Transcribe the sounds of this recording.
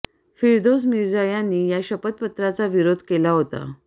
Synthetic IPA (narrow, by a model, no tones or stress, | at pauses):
fiɾd̪os̬miɾd͡zajanːiːjaɕəpət̪̚pət̪ɾat͡saʋiɾod̪ʱkelaɦot̪a̰